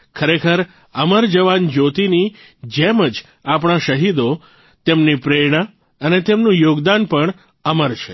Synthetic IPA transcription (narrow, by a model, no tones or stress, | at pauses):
kʰəɾekʰəɾ | əməɾd͡ʒəʋand͡ʒot̪ini | d͡ʒeməd͡ʒ | apɽ̃aʃəɦid̪o | t̪emnipɾeɽ̃a | ənet̪emnũjoɡd̪anpəɳ | əməɾt͡ʃʰe